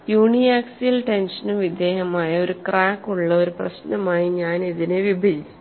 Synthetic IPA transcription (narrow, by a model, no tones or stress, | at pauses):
juːɳijaːksijɐlʈe̞nʂɐnumʋid̪jeːɦɐmaːjɐo̞ɾukraːkːuɭːɐo̞ɾuprɐ̰ɕnɐmaːjiɲaːneðineʋibʱɐɾit͡ɕːu̥